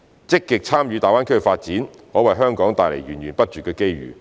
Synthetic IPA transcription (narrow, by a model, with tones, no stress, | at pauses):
t͡sɪ˥kːɪ˨k̚t͡sʰaː˥mjyː˨˧t̪aː˨˩waː˥kʰfaː˧t̚t͡siː˨˥n | hɔː˨˥wɐ˨jɦœː˥ŋkɔː˨˥ŋt̪aː˨jle˨˩jɥyː˨˩njɥyː˨˩npɐ˥t̚t͡ʃyː˨tkːɛː˧ke˥jɥy̰ː˨˩